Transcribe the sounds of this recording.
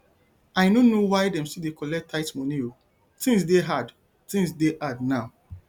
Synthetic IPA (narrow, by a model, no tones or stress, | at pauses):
ajnonowajdɛ̃msidekɔlɛtʰːaɪtmonio | tĩŋs̬deɦad | tĩŋsdeʔadnaʊ